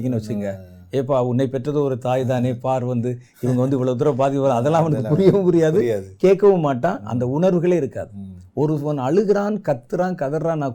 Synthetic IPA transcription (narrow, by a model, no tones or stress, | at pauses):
k̬ːɐnːɐʋɐt͡ʃːɾiŋɡɐ | eːp̬ːaːʊnːɐɪpɛʈrɐðɯɔɾɯt̪aːjt̪̬aːneːpaːɾʋɐnd̪ɯ | ɪʋɐŋɡɐʋɐnd̪ɯʋɐɭɐʋt̪̬ɯɾɐp̬aːðɪkːɐʋɐɾãɐðɛlːãːɐʋɐnɐkkːɯpʊɾɪjɐʋɯmʊɾɪjaːðɯkeːʈkːɐʋɯmːaːʈːãːʔɐ̰nd̪ɐʊɳɐɾʋɯɣɐɭeːɪɾɯkːa̰ːðɯɔɾɯʋɔnɐɭɯɣɯɾaːnkɐt̪ːɯɾaːnkɐðɐɾɾaːnãː